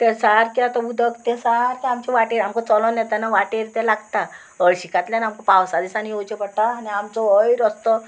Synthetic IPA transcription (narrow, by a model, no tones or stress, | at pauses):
t̪esaɾkiat̪abud̪ʱəkt̪esaɾkiamt͡ɕɛʋaʈeɾamkɔ̃t͡sɔlɔ̃njɛt̪anaʋaʈeɾt̪ɛlaɡt̪a | əɭɕikat̪ljãnamkɔpawsad̪isaniot͡ɕepəɽt̪aːniamt͡sɔəjɾəst̪ɔ